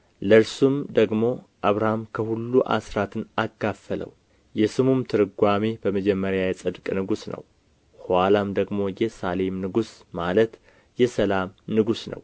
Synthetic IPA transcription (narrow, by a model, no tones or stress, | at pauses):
ləɾsumd̪əɡmo̞ | ʔaβɾahamkʰəhulːuʔa̰sɾat̪ʰɨnaɡafːələ̰w | jɛsɨmumt̪ʰɨɾɨɡʷamebəməd͡ʒɛmːəɾjajɛsʼɨd̪kʼnɨɡusnə̰w | halamd̪əɡmo̞jɛsale̞mnɨɡusmalət̪ | jɛsəlamnɨɡusnə̰w